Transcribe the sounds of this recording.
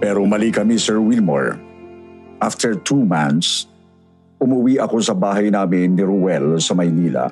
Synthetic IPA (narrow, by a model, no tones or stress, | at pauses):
pɛɾomɐlikɐmisɛɹwɪlmɔ̰ɹ | ʔaft̪ʰɛɹt̪ʰumanθs | ʊmʊwiʔɐko̞sɐbaːɦɐjnaːmɪnːɪɾʊwɛlsɐmɐjniːlɐ̰